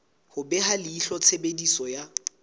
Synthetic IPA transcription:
hʊbɛɦalɪiɬɔt͡sʰebedisɔja

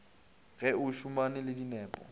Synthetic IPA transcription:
ɣɛʊʃʊmanɪlɪdinɛːpʼɔ̰

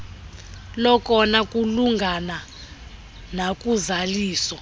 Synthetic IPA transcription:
lɔkʼɔnakʼuluŋɡʱana | nakʼuzaliːsɔ

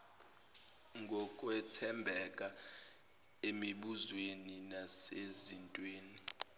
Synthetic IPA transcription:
ŋɡʱɔkʼwɛtʰɛmbʱɛkʼa | emiɓuzweninasezintʼweːni

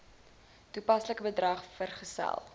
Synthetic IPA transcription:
tupɐsləkəbədrɐχfərχəsæ̰lˠ

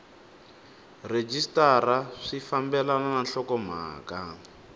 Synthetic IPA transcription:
red͡ʒistaraʂifambɛlananaɬɔkɔm̤a̰ːka

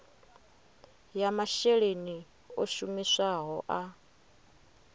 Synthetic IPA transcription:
jamaʃɛɺeni | oʃumisaɦɔʔa

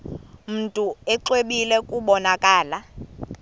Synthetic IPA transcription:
m̩tʼuɛǁweɓilɛkʼuɓɔnakʼaːla

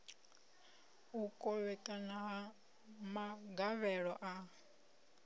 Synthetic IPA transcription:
ukʼɔβɛtʼanaɦa | maɡaβɛɺɔʔa

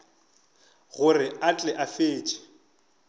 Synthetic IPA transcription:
ɣʊrɪat͡ɬʼɛʔafeːt͡ʃʼɪ̥

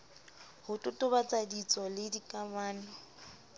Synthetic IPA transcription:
hʊtʼʊtʼʊbat͡sʼadit͡sʼɔlɪdikʼamaːnɪ

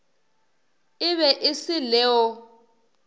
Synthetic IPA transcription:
ɪβɛʔɪsɪlɛːɔ

